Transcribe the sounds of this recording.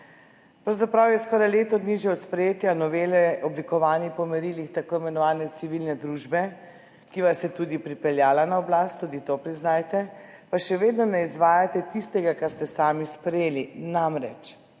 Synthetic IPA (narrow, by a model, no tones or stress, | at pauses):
pɾawzapɾawjɛskɔɾajleːt̪ɔd̪niʒɛɔt̪spɾɛjeːt̪janɔʋeːlɛɔblikɔʋaːnipɔmɛɾilixt̪akoːimɛnɔʋaːnɛt̪siʋilnɛd̪ɾuːʒbɛ | kiʋasjɛt̪uːd̪ipɾipɛljaːlanaɔblast̪ːuːd̪it̪opɾiznaːjt̪ɛpaʃɛʋeːd̪nɔnɛizʋaːjat̪ɛt̪ist̪ɛɡakaɾst̪ɛsaːmispɾɛjeːlinamɾɛ̰t͡ʃ